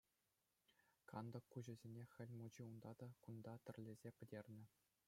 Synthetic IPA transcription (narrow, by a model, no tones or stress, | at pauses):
kɑnd̪ɤ̆kːuʑɘ̆zʲenʲexʲɘ̆lʲmud͡ʑiund̪ɑd̪ɑkund̪ɑt̪ʲɘ̆rʲlʲezʲepʲɘ̆dʲerʲnʲɘ̆